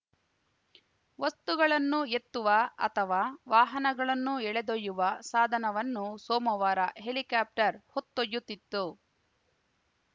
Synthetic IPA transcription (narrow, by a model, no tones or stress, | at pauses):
ʋɐst̪uɡɐɭɐnːue̞t̪ːuʋɐɐ̰t̪ʰɐʋaːʋaːɦɐnɐɡɐɭɐnːuɛɭed̪ojːuʋɐsaːd̪ʱɐnɐʋɐnːusoːmɐʋaːɾɐɦe̞likaːp̚ʈɐɾhot̪ːojːut̪ːit̪ːu